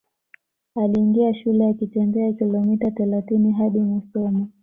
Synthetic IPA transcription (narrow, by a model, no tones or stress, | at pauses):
aliːŋɡiaʃulɛjakit͡ʃɛnɡɛakilɔmitaθɛlaθiniɦaɗimisɔmi